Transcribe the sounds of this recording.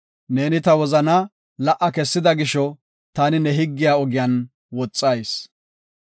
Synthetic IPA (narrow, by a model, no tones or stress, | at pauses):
ne̞ːnɪt̪ɐwɔzɐnɐ | lɐʔɐkɛsːɪd̪ɐɡɪʃɔ | t̪aːnɪnɛɦɪɡːɪjaːɔɡɪjan | wɔt͡sʼːɐjs